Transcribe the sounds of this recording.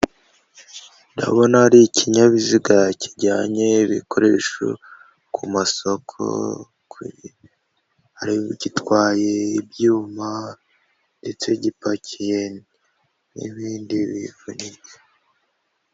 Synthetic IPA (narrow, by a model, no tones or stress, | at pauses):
nda̰βo̞naːɾicʰiɲaβiziɡaciɟaːɲe̞βikʰo̞ɾe̞ːʃo̰ | kʰumaso̞kʰo̞̰ | kʰuɾi | haɾiβɟitwaːje̞ibjuːma | nde̞t͡se̞ɟipacʰije̞ | nḭβiːndiβḭvunie